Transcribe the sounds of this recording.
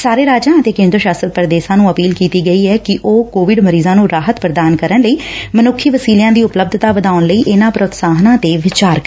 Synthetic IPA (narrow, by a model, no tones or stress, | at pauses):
saːɾeːɾaːd͡ʒãːət̪eːkẽːnd̪ɾʃaːsɾət̪̚pɾd̪eːsãːnũːəpiːlkiːt̪iːɡəiːɛːkɪʔoːkoːʋɪɖməɾiːzãːnũːɾaːɦət̪pɾd̪aːnkəɾənləiːmənʊkʰːiːʋəsiːljãːd̪iːʊpləb̚d̪ʱt̪aːʋəd̪aːʊnləiːʔɪnãːpɾʊt̪saːɦnãːt̪eːʋɪt͡ʃaːɾk